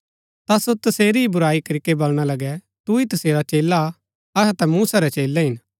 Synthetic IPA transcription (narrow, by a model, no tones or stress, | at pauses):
t̪asot̪ɐseːɾiibʊɾaːikɐɾikebɐlɽ̃alɐɡɛ | t̪uit̪ɐseːɾat͡ʃeːla | ɐɦɛt̪ɛmuːsaɾɛt͡ʃeːlɛɦɪn